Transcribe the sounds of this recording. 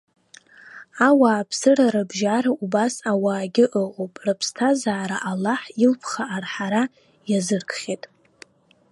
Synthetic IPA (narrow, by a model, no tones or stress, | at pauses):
awaːpʰsɨraɾɨbʒaɾaubasawaːɡʲɪʔəqʼopʼrɨpʰstʰazaːɾaʔalːaħilpʰχaʔːrħaɾa | jazɨrkʰʼχʲetʼ